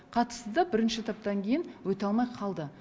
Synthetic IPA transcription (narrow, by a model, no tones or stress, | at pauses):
qʰɑt̪ə̥st̪əd̪ɑbɪɾɪnʃɪt̪ʰɑp̚t̪ɑŋkʲʰe̞jɪnwɵt̪eɑlˠmɑjqʰɑlˠd̪ə